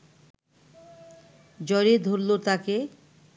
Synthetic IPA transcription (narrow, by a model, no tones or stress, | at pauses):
d͡ʑɔɾed̪ʱoɾlot̪ake